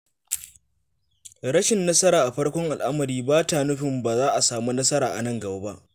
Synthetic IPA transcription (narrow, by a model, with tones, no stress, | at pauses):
ɽɐ˦ʃɪ˨nːɐ˦sɐ˦ɾaː˨ʔa˨ɸɐ˦ɽkʷɔ˦ŋʔa˨lʔa˦mɐ˨ɾiː˦baː˦taː˨nʊ˦ɸɪ˨mbaː˨zaː˦ʔa˨saː˨mu˦nɐ˦sɐ˦ɾaː˨ʔa̰˨nɐ˦ŋɡɐ˨baː˦ba˦ʔ